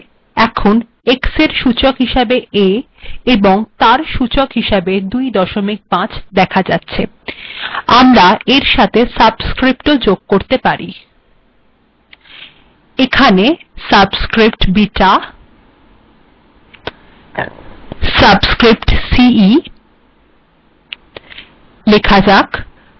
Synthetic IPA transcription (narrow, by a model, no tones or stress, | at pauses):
ɛkʰon | ekseɾʃut͡ɕokɦiʃebee | eboŋt̪aɾʃut͡ɕokɦiʃabed̪ujd̪ɔʃomik̚bãt͡ɕʰd̪ɛkʰad͡ʑatːɕʰe | amɾaeɾʃat̪ʰesabskɾip̚ʈod͡ʑoɡ̚koɾt̪epaɾḭ | ekʰanesabskɾipʈbiʈa | sabskɾipʈsii | lekʰad͡ʑak